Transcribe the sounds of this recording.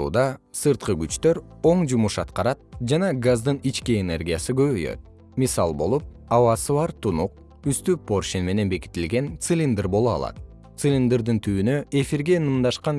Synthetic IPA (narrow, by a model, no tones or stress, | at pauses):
ṵːd̪ɑsɨɾt̪̚qɯɡyt͡ʃt̪øɾo̞ɴd͡ʒumuʃɑt̪qɑɾɑt̪̚d͡ʒɑnɑɡazd̪ɯnit͡ʃkiene̞̰rɡʲijasɯɡø̞βøjø̞̰t̪̚ | misɑlˠbo̞̰lˠup̚ | ɑβɑsɯβɑɾt̪ʰunuq̚ | yst̪ypːorʃinme̞ne̞nbe̞ki̥t̪ilɡe̞nt̪sɨlʲind̪ɨɾbo̞lˠuɑ̰lˠɑ̰t̪ | t̪sɨlʲind̪ɨɾd̪ɯnt̪ʰyːynø̞ʔe̞fiɾɡe̞nɯmd̪ɑʃqɑn